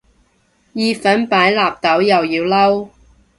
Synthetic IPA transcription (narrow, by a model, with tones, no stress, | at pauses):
jiː˨˧fɐ˨˥npaː˨˥jlaː˨p̚t̪ɐ˨˥wjɐ˨wjiː˧wlɐ˥w